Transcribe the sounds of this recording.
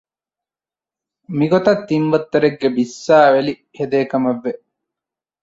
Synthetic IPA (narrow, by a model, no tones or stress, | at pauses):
miɡot̪ɐt̪ːinʋɐt̪ːɐɾeɡːebisːaːʋeli | hed̪eːkɐmɐʋːe